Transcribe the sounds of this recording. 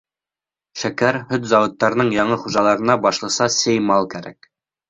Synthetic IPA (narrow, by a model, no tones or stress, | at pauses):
ʃækæɾhɵt̪zɑwɤ̆t̪ːɑɾɤ̆nɤɴjɑɴɤχuʒɑlˠɑɾɤ̆nɑbɑʃlˠɤ̆sɑsɘjmɑlˠkæɾæ̰k̚